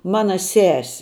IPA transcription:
ˈmɑːnɐ ˈsʲæːsʲɪ

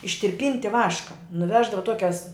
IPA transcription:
ɪʃʲtʲɪrʲˈpʲiːnʲtʲɪ ˈʋɑːʃkɐ nʊˈʋʲæːʒdɐʋɐ ˈtuɔkʲɛs

